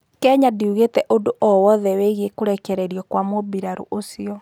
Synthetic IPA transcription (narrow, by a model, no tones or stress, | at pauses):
kɛɲadiuɣetɛʔodoʔɔwɔðɛweɣekoɾɛkɛɾɛɾiɔkwamobiɾaɾṵʔosiɔ